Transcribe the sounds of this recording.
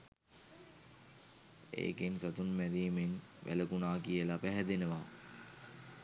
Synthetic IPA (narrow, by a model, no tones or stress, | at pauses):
ḛːkensat̪unmæɾiːmen | ʋʔæ̰ləkunaːkijəlapæɦɛd̪enəʋaː